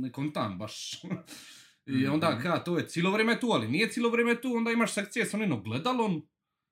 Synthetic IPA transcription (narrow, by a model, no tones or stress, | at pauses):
nekont̪anbaʃ | iond̪aːkat̪oːjet̪siːlˠoʋɾeːmet̪uːalinijesiːloʋɾeːmet̪uːo̞nd̪aːimaʃsek̚t̪sijesoninoɡled̪alˠon